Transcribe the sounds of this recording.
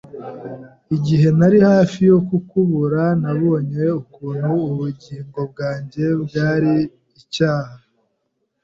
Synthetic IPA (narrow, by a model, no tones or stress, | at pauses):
iɟiɦe̞naɾihaːfijo̞kukuβuɾanaβo̞ːɲeukuːn̥huːβuɟiːŋɡo̞b̚ɡaːɲɟe̞bɟaːɾiː | caːha